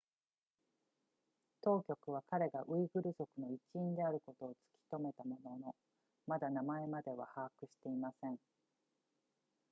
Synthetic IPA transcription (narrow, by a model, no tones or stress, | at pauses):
t̪o̞ːkʲo̞kɯ̟β̞akaɾe̞ɡaʔɯ̟iɡɯ̟ɾɯ̟zo̞kɯ̟no̞it͡ɕiĩnd̪e̞aɾɯ̟ko̞t̪o̞ːt͡sɨ̥kʲi̥t̪o̞me̞t̪amo̞no̞no̞ | mad̪anamae̞mad̪e̞βa̰haːkɯ̟ɕi̥t̪e̞imasẽ̞ɴ